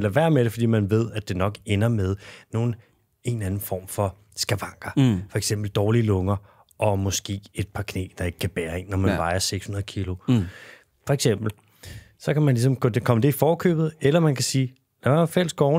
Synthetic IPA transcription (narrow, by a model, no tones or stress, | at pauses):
læʋæɐ̰meɾəfɒ̽dḭːmænʋe̝ð̞̰ˠæd̥e̝nɒ̽ɡ̥enɐmeð̞ˠno̝ːn̩ | e̝nænn̩fɒ̰ːmfɒ̽ | sɡ̥æʋɑ̈ŋ̰ɡ̥ɐfɒ̽eɡ̥sem̰b̥l̩d̥ɒːlilɔ̽ŋɐ | ʔɒ̽mɒ̽sɡ̥e̝̰ːe̝d̥̚pʰɑ̈kʰne̝̰ːd̥ɑ̈e̝ɡ̥ə̥kʰæb̥æːɐe̝nːɒmænnʋɑ̈ɪɐseɡ̥shunɐð̩ˠkʰilo̝ | fɒ̽eɡ̥sem̰b̥l̩ | sɒ̽kʰæmænlis̬ɒ̽mkʰɔdekʰɒ̽məd̥e̝ifɒːkʰø̰ːb̥ð̞̩ˠelɐmænkʰæsiː | læʋæɐfel̰sɡ̥ɒʊn